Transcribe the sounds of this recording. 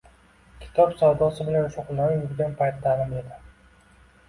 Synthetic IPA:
kʲʰɪ̥t̪ʰɒpsɒwd̪ɒsɪbɪlanʃoqlˠaɾɪjbɪɡʲanpʰajt̪ʰɪd̪avamed̪ɪ

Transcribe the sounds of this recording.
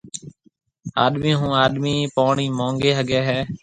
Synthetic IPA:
a̰ːɗmĩːɦũːaːɗmiːpoːɳiːmõːŋɡeːɦəɡɛːɦɛː

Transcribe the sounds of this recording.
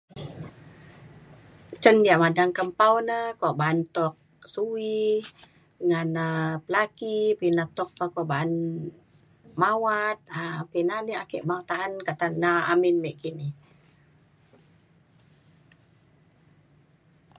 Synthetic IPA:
t͡ʃəndiaʔmadaŋkəmpawnəkoʔbaːnt̪ɔk̚ | sui | əŋanəpəlakipinat̪ɔk̚pəkoʔbaʔan | mawat̪̚apinaniakɛʔbaŋt̪aɦankaʔt̪anːaaminmɛʔkini

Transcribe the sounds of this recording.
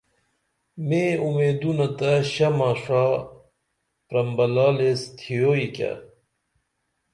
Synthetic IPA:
meːumeːd̪unɐt̪ɐɕɐmaʂa | pɾɐmbɐlaːlest̪ʰijoikʲa̰

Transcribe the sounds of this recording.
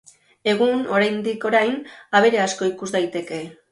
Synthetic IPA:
e̞ɣ̞uno̞ɾajnd̪iko̞ɾajnaβ̞e̞ɾe̞asko̞ikuzd̪ajt̪e̞ke̞

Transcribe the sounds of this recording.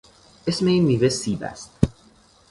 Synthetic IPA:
esmeiːmiːvesiːbæ̰st̪̚

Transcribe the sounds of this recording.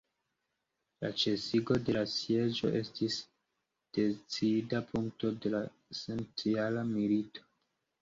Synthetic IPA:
la̰t͡ʃe̞siɡo̞de̞lasje̞d͡ʒo̞̰ʔe̞stis | d̥e̞t͡sidapʰuŋkto̞de̞la | se̞nt͡sialamilito̞̥

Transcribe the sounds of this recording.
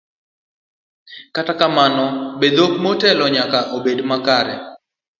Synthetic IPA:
katakamanɔbed̪ok̚motɛlɔɲakaʔobedmakaɾɛ

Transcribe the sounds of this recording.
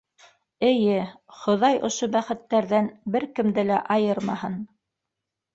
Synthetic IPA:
ɘ̆jɘ | χŏðɑjʔŏʃobæχɘ̆t̪ːæɾðænbɘɾkɘ̆md̪ɘlæʔɑjɤɾmɑhɤn

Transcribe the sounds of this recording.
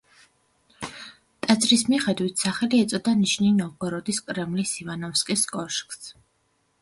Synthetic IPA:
t̪ʼad̪zɾismiχɛd̪wit̪ʰsaχɛliɛt̪sʼɔd̪aniʃninɔvɡɛɾɔd̪iskʼɾɛmlisivanɔfskʼiskʼɔɾʃkʼs

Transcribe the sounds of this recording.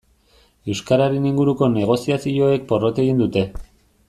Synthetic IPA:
e̞wskaɾaɾe̞niŋɡuɾuko̞ne̞ɣ̞o̞siasio̞e̞k̚po̞ro̞t̪e̞ɣind̪ut̪e̞

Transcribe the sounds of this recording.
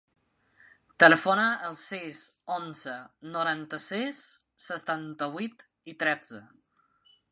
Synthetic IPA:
t̪ələfonaʔəlˠsizonzənuɾant̪əsisː | ət̪ant̪əβwit̪ | it̪ɾɛd͡zə

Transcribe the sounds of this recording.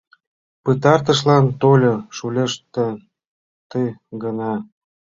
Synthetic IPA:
pɨt̪ɑrt̪̬ə̆ʃlɑnt̪olʲoʃulʲeʃt̪ə̆ | t̪əɡənɑ

